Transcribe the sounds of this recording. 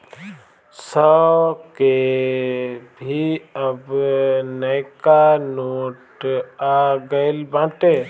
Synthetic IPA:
səke | bʱiəbnəjkanoːʈaɡəɪlbãːʈe

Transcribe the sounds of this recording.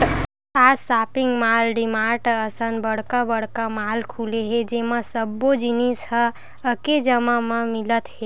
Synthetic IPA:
asapiŋɡmalɖimaʈəsənbəɽ̤kabəɽkamalkʰuleɦed͡ʒemasəbːod͡ʒinishə̃ | əked͡ʒəmamə̃milət̪ɦe

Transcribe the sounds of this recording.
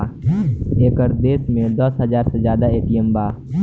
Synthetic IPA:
eːkəɾd̪eːsmẽd̪ɐsɦəzaːɾsezjaːd̪aeːpijəmbaː

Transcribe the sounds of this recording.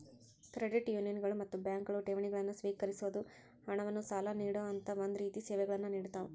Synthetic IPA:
kɾeɖiʈjuːnijɐnɡɐɭumɐt̪ːubjaːŋkɐɭuʈeʋiɳiɡɐɭɐnːusʋiːkɐɾisuʋɐd̪u | hɐɳɐʋɐnːusaːlɐniːɽoːɐnt̪ɐʋond̪uɾiːt̪isɛːʋɛɡɐɭɐnːuniːɽut̪aːʋu

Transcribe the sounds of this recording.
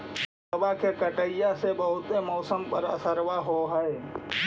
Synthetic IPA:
səbakekəʈəɪjasebəɦʊt̪emɔːsəmpəɾə̰səɾwaɦoɦəe

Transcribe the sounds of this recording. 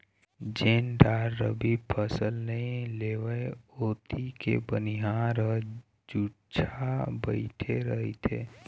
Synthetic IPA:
d͡ʒeːnɖaːɾːə̰bipʰəsəlnəĩleːʋəeoːt̪ʰikḛbəniɦãɾə | d͡ʒuːʈt͡ʃʰabəɪʈʰeɾəɦit̪ʰḛː

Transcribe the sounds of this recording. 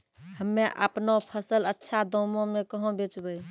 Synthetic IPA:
həmːeʔə̰pnopʰəsələtːʃʰad̪ɔmõmekəɦõbet͡ʃbəj

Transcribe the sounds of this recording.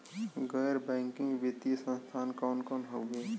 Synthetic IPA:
ɡɛːɾbɛ̃ːŋkɪ̃ŋɡbit̪iesə̃nst̪ʰaːnkɔːnkɔːnɦoʊɡeː

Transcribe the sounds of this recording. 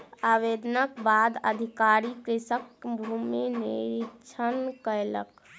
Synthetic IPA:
aʋed̪ənəkbad̪ə̰d̪ʱikaɾikɾisəkbʱumenḭɾikt͡ʃʰənkəjlə̰k

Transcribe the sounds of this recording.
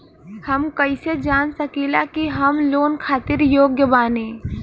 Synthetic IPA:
hɐmkɐɪsed͡ʒaːnsɐkilakiɦɐmloːnkʰaːt̪ɪɾjoːɡjəbaːnẽː

